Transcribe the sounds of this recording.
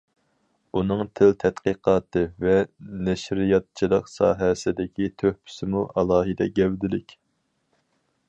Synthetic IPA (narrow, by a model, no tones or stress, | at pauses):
unɨŋt̪ʰɪlt̪ʰɛt̪qiqɑːt̪ʰɨvɛnɛʃɾijɑt̪̚t͡ʃʰilˠəqsɑ̰ːɦɛsɪd̪ɪkʲit̪ʰøhpʰy̥sɪmuʔɑlˠɑːɦɨd̪ɛɡʲɛwd̪ɪlɪkʲ